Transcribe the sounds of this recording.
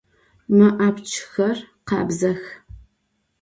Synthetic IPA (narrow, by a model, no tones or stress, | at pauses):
mɨʔaːpt͡ʃʰxɐrqɑːbzɐx